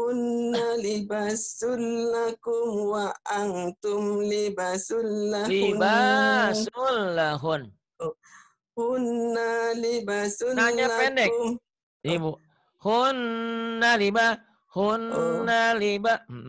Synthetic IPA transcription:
hunːalibasulːakumwaʔaŋt̪umlibasulːalibasulːaɦun | hunːalibasunaɲapɛndɛkm | libu | hunːaliba | hunːaliba

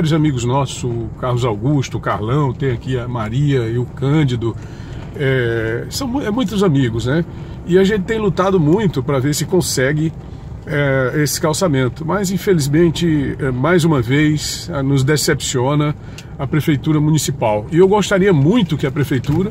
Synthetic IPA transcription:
vaɾjʊzamiɡʊznɔsʊʊkahlʊzawɡuʃt̪ʊkaɾlɐ̃w̃t̪ẽj̃akiɐmaɾiɐɪʊkɐ̃d͡ʒɪd̪ʊ | ɛsɐ̃w̃mɛmũj̃t̪ʊzamiɡʊznɛ | ɪaʒẽnt͡ʃ̪ɪt̪ẽj̃lut̪ad̪ʊmũj̃t̪ʊpɾɐveɾsɪkõsɛɡɪ | ɛesɪ̥kawsamẽnt̪ʊmɐzĩfelizmẽnt͡ʃɪɛmajzũmɐvejsnʊzd̪esepsiõnɐ | ɐpɾefejt̪uɾɐmũnisipawɪewɡost̪aɾiɐmũj̃t̪ʊkɪɐpɾefejt̪uɾɐ

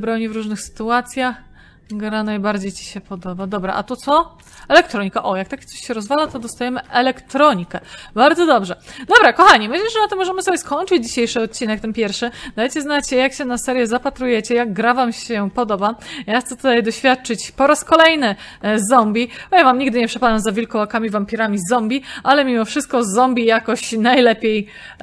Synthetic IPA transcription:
bɾɔɲivɾuʐnɘxsɘ̥t̪uat̪sʲjax | ɡɾanajbaɾd͡ʑejt͡ɕi̥ɕɛpɔd̪ɔbad̪ɔbɾa̰ʔa̰t̪ut̪sɔ | ɛlɛk̚t̪ɾɔɲikaʔɔjak̚t̪akʲt̪ɔɕɕɛɾɔzvalat̪ɔd̪ɔst̪ajɛmɘʔɛlɛkt̪ɾɔɲikɛbaɾd̪zɔd̪ɔbʐɛd̪ɔbɾakɔxaɲimɘɪɕlɛʐɛnat̪ɔmɔʐɛmɘsɔbʲjɛskɔɲt͡ʂɘd͡ʑd͡ʑiɕejʂɘɔt̪̚t͡ɕːinɛk̚t̪ɛnpʲjɛɾfʂɘd̪ajt͡ɕɛznat͡ɕɛjakɕɛnasɛɾʲjɛzapat̪ɾujɛt͡ɕɛjaɡɡːɾavamɕɛpɔd̪ɔbajaxt̪sɛt̪ut̪ajd̪ɔɕfʲjat̪̚t͡ʂɘt͡ɕpɔɾaskɔlɛjnɘzɔmbʲibɔjavamɲiɡd̪ɘɲɛpʂɛpad̪amzavʲilkɔwakamʲivampʲiɾamʲizɔmbʲiʔalɛmʲimɔfʂɘst̪̚kɔzɔmbʲijakɔɕnajlɛpʲjej

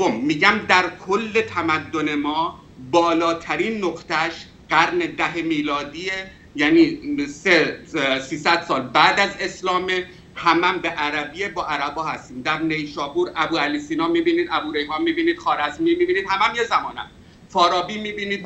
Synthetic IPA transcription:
omːiːɟæmd̪æɾkʰolːe̞t̪ʰæmæd̪ːone̞mɒː | bɒːlɒːt̪ʰæɾiːnːoqt̪æʃ | ɢæɾned̪æɦemiːlɒːd̪iːe | jæniːsesiːsæd̪̥sɒːlbæːd̪æze̞slɒːme | hæmæmbeʔæɾæbiebɒːʔæɾæbɒːhæst̪iːmd̪æɾne̞jʃɒːbuːɾæbuːæliːsiːnɒːmiːbiːniːd̪æbuːɾe̞jɦɒːmiːbiːniːd̪̥xɒːɾæzmiːmiːbiːniːd̪hæmæmjezæmɒːnæ̰m | fɒːɾɒːbiːmiːbiːniːd̪̚

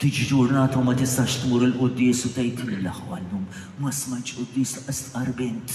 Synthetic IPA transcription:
t̪iːd͡ʒid͡ʒʊɾnɐːt̪ɐwmɐt̪ɪst̪ɐʃt̪muːɾɪlʔʊd̪ːɪːsʊt̪ɛjt̪ɪlɪlɐħuɐlːuːm | mɐsmɐjt̪ʃʔʊd̪ːɪːsʔɛst̪ʔɐɾbɪnt̪

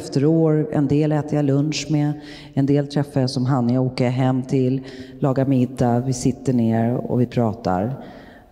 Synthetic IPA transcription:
ft̪əɾoːɾɛ̰nd̪eːlɛːt̪əjalɵnʂmɛ | ɛnd̪eːlt̪ʰɾɛfːajasɔmɦanːɪoːkəɦɛmːt̪ʰɪllːɑːɡamɪd̪ːavɪsɪt̪ːəɳeːɾɔ̰vɪpʰɾɑːt̪a̰ɾ

